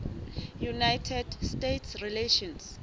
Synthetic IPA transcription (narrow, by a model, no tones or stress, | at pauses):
junajtʰɛdstetʰsrileʃɔ̃ns